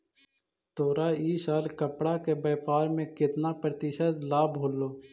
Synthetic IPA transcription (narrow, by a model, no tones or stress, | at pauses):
t̪oːɾaiːsaːlkəpɽakebɛːpaːɾmẽkɪt̪napɾət̪ɪʃət̪laːbʱoːlːoː